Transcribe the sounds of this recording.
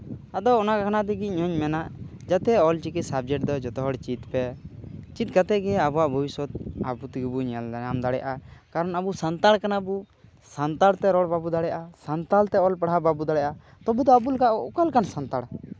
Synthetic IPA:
ad̪ɔːnakakʰanat̪̬ɛɡiɲɔɲmɛnaʔ | d͡ʒat̪ɛɔlt͡ʃikisab̚d͡ʒɛʈ̚d̪ɔd͡ʒɔt̪ɔɦɔɽt͡ʃit̪pɛt͡ʃit̪̚kat̪ɛɡɛabuwaʔbʱɔwiswɔt̪̚abut̪iɡibuɲalamd̪aɽɛjaʔakaɾɔnabusant̪aɽkanabu | sant̪aɽt̪ɛɾɔɽbabud̪aɽɛjʔasant̪alt̪ɛɔlpaɽɦababud̪aɽɛjʔa | t̪ɔbud̪ɔabulkaʔɔkalkansant̪aɽ

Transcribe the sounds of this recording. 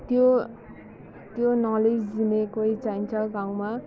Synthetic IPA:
t̪jo | t̪jonʌled͡zd͡zinekoit͡sajnt͡salɡaw̃ma

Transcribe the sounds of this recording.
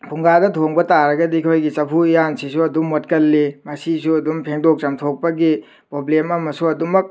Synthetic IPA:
pʰuŋɡadɐtʰoŋbɐtaɾɐɡɐdikʰojɡit͡ʃɐpʰuijansisuɐdumːot̚kɐlːimɐsisuɐdumpʰeŋdok̚t͡ʃɐmtʰok̚pɐɡi | pɾoblemɐmɐsuɐdumɐk̚

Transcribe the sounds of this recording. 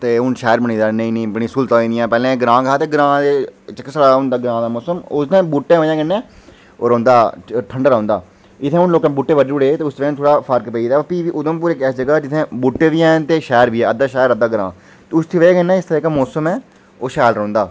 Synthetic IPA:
t̪eːʊnʃɛːɾbəñĩːd̪aːnə̃ĩːnẽːpnĩːsʊlt̪ãːĩːd̪ɪjãːpɛːlẽːɡɾãːkaːt̪eːɡɾãːd̪eːt͡ʃəksəɽaːɦʊ̃nd̪aːɡɾãːd̪aːmɔːsəmʊst̪ẽːbuʈːẽːʋəd͡ʒãːkɪnːɛ̃ː | o̰ːɾõːnd̪aːʈʰəɳɖəɾãːnd̪aː | ɪt̪ʰːẽɦʊnloːkɛ̃buʈːeːʋəɖːʊɽeːt̪eːʊst̪ʋẽt̪ʰoːɽaːpʰəɾkpəiːd̪ɛːpiːʋiːʔʊd̪õːp̬uːɾeːkɛːsd͡ʒəɡaːd͡ʒɪt̪ʰːẽːbuʈːeːʋiːɛːnt̪eːʃɛːɾʋiːɛːəd̪aːʃɛːɾəd̪ːaːɡɾã̰ː | t̪ːʊst̪ʰiːʋeːkənːɛ̃ːɪst̪əɾeːkamɔːsəmɛː | oːʃɛːlɾõːnd̪aː

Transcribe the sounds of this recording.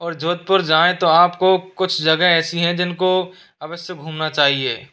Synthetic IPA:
ɔːɾd͡ʒoːt̪̚pəɾd͡ʒaːẽt̪oaːpkokʊt͡ʃʰd͡ʒɐɡəɦɛːsiɦɛ̃d͡ʒɪnko | ɐʋəsjəɡʱuːmnat͡ʃaːɦiḛː

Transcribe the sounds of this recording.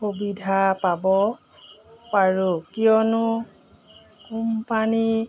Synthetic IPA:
xobidʱapabɔ | paɹukijɔnʊ | kumpani

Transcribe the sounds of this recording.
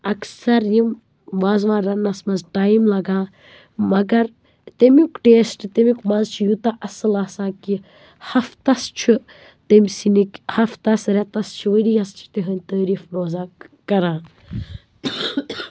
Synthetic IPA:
ɐksɐɾjim | ʋaːzʋãːɾɐnɐsmɐzʈaːjimlɐɡãː | mɐɡɐɾ | t̪emikʈeːsʈt̪emikmɐzt͡ʃʰijut̪aʔɐsɨlaːsãːki | hɐft̪ɐst͡ʃʰi | t̪ɐmʲsinikʲhɐft̪ɐsɾet̪ɐst͡ʃʰiʋəɾijɐst͡ʃʰi̥t̪eɦənʲt̪əːɾiːfnoːzaːkɐɾãː

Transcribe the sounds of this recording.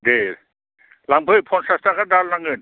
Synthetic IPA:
de | laŋbʰɯpʰɔnsastakadallaŋɯn

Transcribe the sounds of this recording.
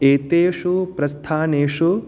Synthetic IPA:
eːt̪eːʂupɾɐst̪ʰaːneːʂu

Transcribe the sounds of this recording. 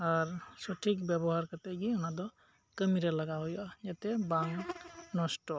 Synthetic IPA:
aɹsɔʈʰikbjɛbɔɦaɾkat̪ɛɡiɔnad̪ɔ | kəmiɾalaɡaɦɔjɔjat̪ɛbaŋknɔsʈɔ

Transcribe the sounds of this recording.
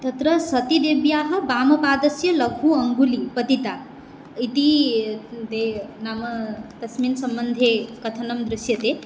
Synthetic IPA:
t̪ɐt̪ɾɐsɐt̪id̪ebjaːɦɐ̆baːmɐpaːd̪ɐsjɐlɐɡʱuɐŋɡulipɐt̪it̪a | it̪i | d̪enaːmɐt̪ɐsminsɐmbənd̪ʱekɐt̪ʰɐnɐmd̪ɾɪsjɐt̪e

